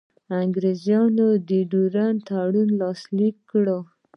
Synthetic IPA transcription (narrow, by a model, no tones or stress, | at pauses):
aŋɡɾezjɑnod̪əɖuɾant̪aɽunlɑslikːɽo